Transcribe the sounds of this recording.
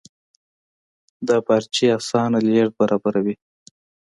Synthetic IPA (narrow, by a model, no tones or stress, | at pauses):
d̪ɑpaɾt͡ʃiɑsɑnaleɾd̪̚baɾɑbaɾawi